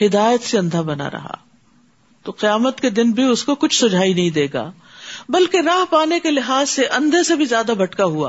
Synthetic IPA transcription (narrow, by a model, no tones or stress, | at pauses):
ɦɪd̪aːjət̪seɐ̃nd̪ʱabɐna̰ɾɐ̰ɦa̰ː | t̪oqijaːmət̪ked̪ɪnbʱiʊskokʊt͡ʃʰsʊd͡ʒʱaːinɐɦĩd̪eːɡa̰ː | bɐlkeɾaːɦpaːnekelɪɦaːsːeʔɐ̃nd̪ʱesebʱizjaːd̪abʱɐʈkaɦua̰ː